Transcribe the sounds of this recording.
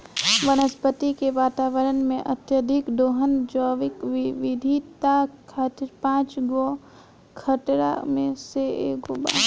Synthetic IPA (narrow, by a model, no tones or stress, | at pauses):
ʋəñəspət̪ikeʋaːt̪aːʋəɾənmẽʔət̪jəd̪ʱɪkd̪oːɦənd͡ʒɔːʋɪkʋɪd̪ʱit̪akʰat̪ɾpãːt͡ʃɡo | kʰəʈɾa̰mẽseeːɡoba̰ː